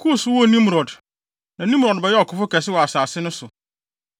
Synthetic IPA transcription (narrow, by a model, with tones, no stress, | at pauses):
kʰu˦˨swɔ˦˨nĩ˦m˨ɾɔ˨d | nã˨nĩ˦mɾɔ˨dbɛ˨jɛ˦ɔ˨kʰʊ˨fʊ˦kɛ˨s̬ɪ˦wɔ˨a˨saː˨sɪ˦nʊ̃˦sʊ˨